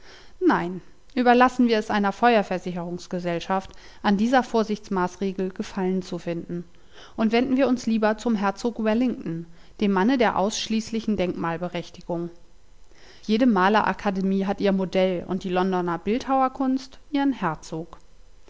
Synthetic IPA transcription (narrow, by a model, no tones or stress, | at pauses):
naɪn | ʔyːbɐlasn̩viːɐɛsʔaɪnɐfɔʏɐfɛɐzɪçəʁ̞ʊŋsɡ̥əzɛlʃaft | ʔandiːzɐfoːɐzɪçt͡smaːsʁ̥eːɡl̩ɡəfalənt͡sufɪndn̩ | ʔʊntv̥ɛndn̩viːɐʊnsliːbɐt͡sʊmɦɛɐt͡soːkwɛlɪŋtn̩ | d̥eːmːanədeːɐʔa̰ʊsʃliːslɪçn̩dɛŋkmaːlbəʁɛçtɪɡʊŋ | jeːdəmaːlɐʔa̰kʰademiːɦatʔiːɐmodɛlʊ̰ntd̥iːlɔndɔnɐbɪlthaʊɐkʰʊnstʔiːʁənhɛɐt͡soːk